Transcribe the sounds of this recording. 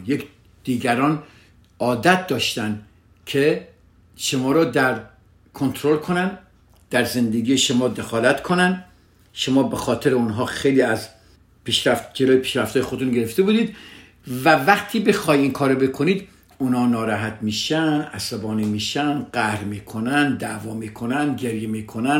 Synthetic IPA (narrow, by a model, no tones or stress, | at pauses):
jekʰ | d̪̥iːɡæɾɒːn | ɒːd̪æt̪̚d̪ɒːʃt̪ænd̪ | kʰe̞ | ʃomɒːɾɒːd̪æɾ | kʰo̞nt̪ʰɾolkʰonænd̪ | d̪̥æɾze̞nd̪e̞ɡijeʃo̞mɒːd̪e̞xɒːlæt̪kʰo̞nænd̪ | ʃomɒːbe̞xɒːt̪ʰe̞ɾeunɦɒːxejliːæz | pʰiːʃɾæft̪d͡ʒelɒːjepʰi̥ːʃɾæft̪ʰɒːjexoet̪unɡe̞ɾe̞ft̪e̞buːd̪iːd̪ | vævæχt̪ʰiːbexɒːjiːnkʰɒːɾobe̞kʰoniːd̪ | uːnhɒːnɒːɾæɦæt̪miːʃænd̪æsæbɒːniːmiːʃænd̪ɢæhɾmiːkʰo̞nænd̪d̪æːvɒːmiːkʰo̞nænd̪ɡe̞ɾjemiːkʰonæn